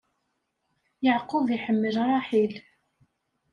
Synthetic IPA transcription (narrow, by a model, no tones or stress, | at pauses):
jəʕqoðˤiħəmːəlɾˤɑħil